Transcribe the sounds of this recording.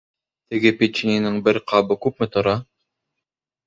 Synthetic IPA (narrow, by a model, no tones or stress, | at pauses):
t̪ɘ̆ɡɘpʲet͡ɕːinʲinɘɴbɘɾqʰɑbɤkʉpmɘt̪ŏɾɑ